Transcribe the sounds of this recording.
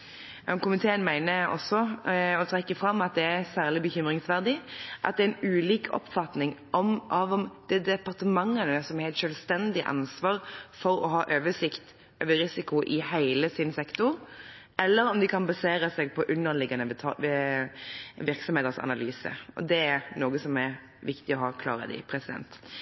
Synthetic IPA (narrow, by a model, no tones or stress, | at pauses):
jɑkʊmɪt̪ʰeːənmæɪnəɔ̰sːɔɔt̪ʰɾɛkːəfɾɑmːɑt̪̚d̪ɛæsæːʁlɪbəçʏmɾɪŋsʋæʁd̪ɪʔɑ̰t̪̚d̪ɛæɪnʉːliːkʰɔ̰pfɑt̪nɪŋʔɔmʔɑʋɔmd̪̥ɛd̪ɛpɑʁt̪əmɑŋːənəsɔmɛɾɛt̪ʃœːlst̪ɛnd̪ɪʔɑ̰nsʋɑːɾfɔɾɔɦɑːʔøːʋəʂɪkt̪ | øːʋəɾɪsɪkʊʔɪhæɪləsɪnsɛkt̪ʊɾ | ʔɛlːəɾɔmd̪ɪkʰɑnbɑseːɾəsɛːɡ̚pʰɔʔʉnːəlɪɡɑnət̪ʰɑ | ʋɪʁksɔmheːt̪əɾsɑ̰nɑlyːsə̰ɔ̰d̪ɛæɾnoːɡəsɔmæɾ | ʋɪkt̪ɪɔɦɑːkʰlɑ̰ːʁə̰d̪ɪ̰ɪpʰɾɛsɪd̪ɛ̰nt̪